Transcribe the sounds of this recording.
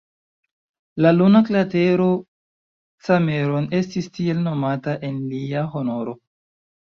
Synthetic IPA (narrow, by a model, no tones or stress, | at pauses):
lalunaklate̞ɾo̞ | t͡sameɾone̞stistie̞lno̞mataʔe̞nliaɦo̞no̞ɾo̞